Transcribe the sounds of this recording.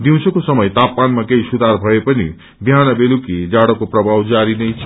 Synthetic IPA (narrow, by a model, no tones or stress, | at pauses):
d̪iw̃sʰokosʌmʌjt̪apmanmakeisud̪ʱarbʱʌepʌnḭ | bʱijanʌbelukid͡zaɽʌkoprʌbʱawd͡zaɾinʌjt͡sʰʌ